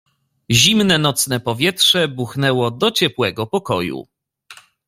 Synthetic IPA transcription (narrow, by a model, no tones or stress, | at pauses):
ʑimnɛnɔt̪snɛpɔvʲjɛtʂɛbuxnɛwɔd̪ɔt͡ɕɛpwɛɡɔpɔkɔjṵ